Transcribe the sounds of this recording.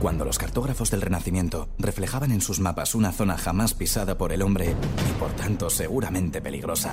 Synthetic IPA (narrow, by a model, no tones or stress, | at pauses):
kwand̪o̞lo̞skaɾt̪o̞ɣɾafo̞zðe̞lre̞naθimje̞nt̪o̞re̞fle̞xaβane̞nsuzmapasunaθo̞naxamaspisaðapo̞ɾelo̞mbɾe̞ipo̞ɾt̪ant̪o̞se̞ɣ̞uɾamẽ̞nt̪e̞pe̞lḭɣ̞ɾo̞sa